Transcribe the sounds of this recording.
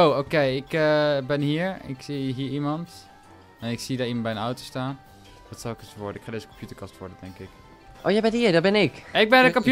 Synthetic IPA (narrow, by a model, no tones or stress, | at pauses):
owokejɪkəbɪnɦiːəɹɪ̰ksiɦiəɹimɑnt | ɛnɪksidaːimɑnbɛjənɔwtostaːn | ʋɔtsɔlˠɪkəsoʋɔɹdəɪkxχadeːzəkɔmpjutəɹkɑstʋɔɹdədɛŋkɪk | ʔowjɛjbɛnhiəɹdɔbɪnɪkɪɡ̚bɛnəkɔmpj